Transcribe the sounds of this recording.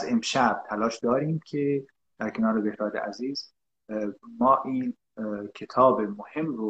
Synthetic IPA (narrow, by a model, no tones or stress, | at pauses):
zemʃæb̥̚t̪ʰælɒːʃd̪ɒːɾiːmkʲʰe | d̪̥æɾkʰe̞nɒːɾebehɾɒːd̪ḛʔæ̰ziːz | mɒːʔiːn | cʰe̞t̪ʰɒːbemohe̞mɾo